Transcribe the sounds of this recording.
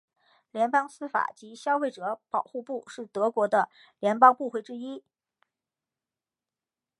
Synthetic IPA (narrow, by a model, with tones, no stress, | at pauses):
ljɛ˧˥npɑ˥ŋsɹ̩˥fa̰˨˩t͡ɕi˧˥ɕjɑ˥ʊfe˥˩ɪʈ͡ʂɤ˧˥pɑ˨˩ʊxu˥˧pu˥˧ʂɻ̩˥˩t̪ɤ˧˥kwɔ˧˥d̪ə˧ | ljɛ˧˥npɑ˥ŋpu˥˧xwe˥˩ɪʈ͡ʂɻ̩˥i˥